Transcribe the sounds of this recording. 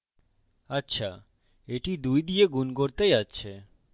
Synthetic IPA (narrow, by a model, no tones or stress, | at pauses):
atːɕʰa̰ | eʈid̪ujd̪ieɡunkoɾt̪ejatːɕʰe